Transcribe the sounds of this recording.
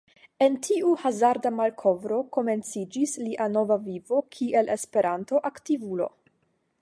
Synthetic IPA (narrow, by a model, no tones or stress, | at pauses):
e̞ntʰiuhazaɾdamalkʰo̞vɾo̞ko̞me̞nt͡sid͡ʒisliʔano̞vavivo̞kʰiʔe̞le̞spe̞ɾʔanto̞ʔaktivulo̞̰